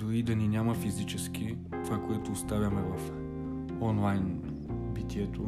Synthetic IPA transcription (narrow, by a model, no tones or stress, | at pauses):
d̪oɾid̪ɐninʲamɐfizit͡ʃɛsk̟ʲi | t̪vakoɛt̪oːst̪avʲɐmɛvɐf | ɔnlˠajn | bit̪ʲiɛt̪o